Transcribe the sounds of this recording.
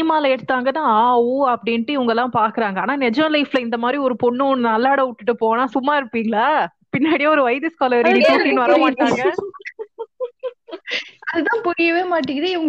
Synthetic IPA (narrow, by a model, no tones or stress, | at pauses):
maːlɐɛɽɯt̪ːaːŋɡɐnːãːaːʋɯɐpːɐɽɪnʈːɯɪʋɐŋɡɐɛlːãːpaːɾkɯɾaːŋɡɐaːnaːnɛd͡ʒɐnɐlɐɪflɐɪnd̪ɐmaːd̪ɾiɔɾɯpɔɳːɯnnɐlːaːɽɐʊʈːɯʈːɯpoːnãːsʊmːaːɪɾɯpːiːŋɡɐɭaː | pɪnːaːɽɪjaːɔɾɯʋɐɪðɯskaːlɐɐɾɪɽit͡ʃuːʈːinʋɐɾɐmaːʈːaːŋɡɐ | ɐðɯt̪ãːpɔɾɪjɐʋeːmaːʈːɪŋɡɪɾaɪʋɐŋɡ